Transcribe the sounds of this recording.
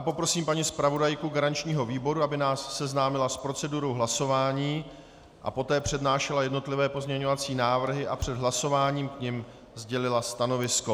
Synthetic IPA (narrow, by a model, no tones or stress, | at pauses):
apo̞pɾo̞siːmpaɲiːspɾavo̞dajkuɡaɾant͡ʃɲiːɦo̞viːbo̞ɾuabɪnaːsːɛznaːmɪlaspɾo̞t͡sɛduɾo̞wɦlaso̞vaːɲiː | ʔa̰po̞t̪ɛːpr̝̥ɛdnaːʃɛlajɛdno̞t̪lɪvɛːpo̞zmɲɛɲo̞vat͡siːnaːvr̩ɦɪʔapr̝̥ɛd̪ɦlaso̞vaːɲiːmkɲɛm | zɟɛlɪlast̪ano̞vɪsko̞